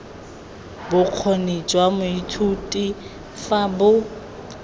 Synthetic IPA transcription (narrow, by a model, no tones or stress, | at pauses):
bʊq͡χʰonit͡ʃʼwamʊitʰutʼi | fabʊ